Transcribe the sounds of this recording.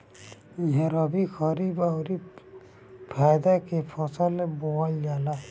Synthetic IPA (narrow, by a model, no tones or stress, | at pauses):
iɦãɾɔbikʰɔɾibawɾi | pʰajd̪akepʰɔsalɛbɔwajɡala